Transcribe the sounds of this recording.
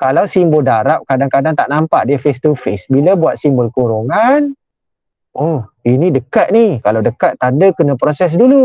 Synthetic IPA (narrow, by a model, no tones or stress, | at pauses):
kalawsimboldaɾap̚kadaŋkadaŋt̪aʔnampaʔdiəfest̪ufesbilabuat̪̚simbəlkoɾoŋan | ɔhinidəkat̪̚nikalawdəkat̪ːandəkənãpɾosɛs̬dulu